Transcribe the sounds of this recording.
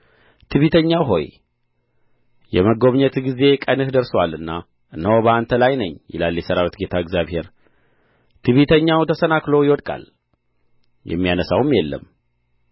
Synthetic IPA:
t̪ʰɨβit̪ʰəɲːawɦo̞̰j | jɛməɡo̞βɲət̪ɡize̞kʼənɨhd̪əɾswalːɨnːa | ʔɨnːəwobəant̪ʰəlajnəɲːjɪ̰laljɛsəɾawit̪ɡe̞t̪ʰaɛɡzjaβhe̞ɾ | t̪ʰɨβit̪ʰəɲːawt̪ʰəsənaklojɪwɔd̪kʼa̰l | jɛ̰mːijanəsawmjɛlːə̰m

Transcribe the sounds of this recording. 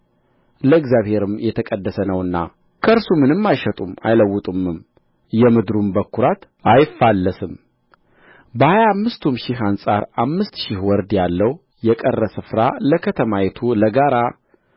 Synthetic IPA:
ləɨɡzjaβhe̞ɾɨmjɛt̪ʰəkʼəd̪ːəsənəwɨnːa̰ | kʰəɾsumɨnɨmːajʃət̪ʼuma̰jləwːʊt̪ʼumɨm | jɛmɨd̪ɾumbəkʰːuɾat̪ | ajɪfːalːəsɨm | bəhajaːmːɨst̪ʰumʃɪɦansʼaɾamːɨst̪ʃɪhwɔɾd̪jalːəw | jɛkʼərːəsɨfɾaləkʰət̪ʰəmajɛt̪ʰuləɡaɾa

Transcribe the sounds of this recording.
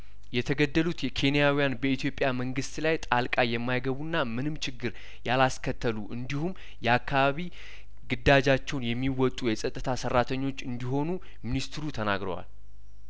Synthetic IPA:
jɛt̪ʰəɡəd̪ːəlut̪ɛkʰe̞nijawijanbəit̪ʰjo̞pʼjaməŋɡɨst̪lajt̪ʼalkʼajɛmːajɡəβunːamɨnɨmt͡ʃʰɪɡːɨɾ | jalaskʰət̪ʰːəluʔɨnd̪ihum | jɛakʰːaβaβi | ɡɨd̪ːad͡ʒat͡ʃːɛwnjɛmːiwɔt̪ʼujɛsʼət̪ʼːɨt̪ʰasərːat̪ʰəɲːo̞t͡ʃːɨnd̪iɦo̞nu | minist̪ʰɨɾut̪ʰəna̰ɡɾə̰wa̰l

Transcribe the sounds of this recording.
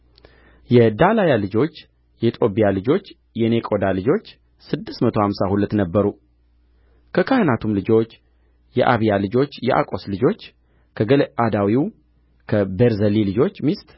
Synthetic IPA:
jɛd̪alajalɨd͡ʒo̞t͡ʃː | jɛit̪ʼo̞bijalɨd͡ʒo̞t͡ʃː | jɛnekʼo̞d̪alɨd͡ʒo̞t͡ʃː | sɨd̪ːɨst̪mət̪ʰo̞hamsahulət̪nəbːəɾu | kʰəkʰahənat̪ʰumlɨd͡ʒo̞t͡ʃː | jɛʔaβijalɨd͡ʒo̞t͡ʃːjɛʔa̰kʼo̞slɨd͡ʒo̞t͡ʃː | kʰəɡəlʔad̪awiw | kʰəbeɾzəlilɨd͡ʒo̞t͡ʃːmist̪

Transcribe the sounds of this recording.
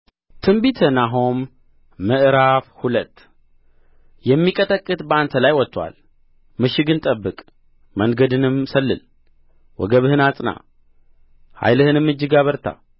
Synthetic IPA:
t̪ʰɨmbit̪ʰənaɦomː | ɨʔɨɾafhulət̪ː | jɛmːikʼət̪ʼəkʼːɨt̪bəant̪ʰəlajwɔt̪ːwa̰l | mɨʃɪɡɨnt̪ʼəbːɨkʼ | məŋɡəd̪ɨnɨmsəlːɨ̰l | wɔ̰ɡəβɨhɨnat͡sʼna̰ | ha̰jlɨhɨnɨmːɨd͡ʒːɪɡaβəɾt̪ʰa̰

